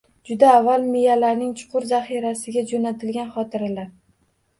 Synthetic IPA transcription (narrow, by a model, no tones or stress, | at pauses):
d͡ʒʊd̪aːvːalˠmɪjalaɾnɪŋt͡ʃʰʊ̥qʰʊɾzaχiɾasɪɡʲad͡ʒonat̪ʰɪlɡʲanχɒt̪ʰɪɾalaɾ